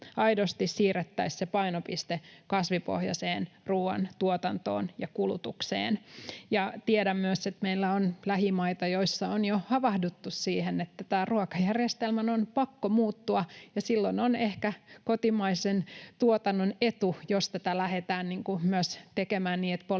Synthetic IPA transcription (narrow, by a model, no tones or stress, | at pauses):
ɑidost̪issiːret̪ːæissepɑinopist̪ekɑsʋipo̰hjɑ̰seːnruːɑ̰nt̪uot̪ɑnt̪o̰ːnjɑkulut̪uksḛːnjɑt̪ieɾæmmyøset̪meilːæonlæhimɑit̪ɑjoisːɑonjohɑʋɑhdut̪ːussiːhenet̪ːæt̪æːruokɑjærjest̪elmænonpɑkːomuːt̪ːuɑjɑsilːononehkækot̪imɑisent̪uot̪ɑnːonet̪ujost̪æt̪ælæhet̪æːnniːŋkumyøst̪ekemæːnniːet̪po